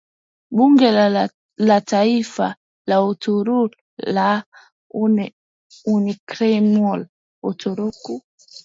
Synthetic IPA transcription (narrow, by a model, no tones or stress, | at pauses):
ɓuŋɡɛ | lataifa̰ | lautuɾu | la | unikɾɛmɔl | utuɾuku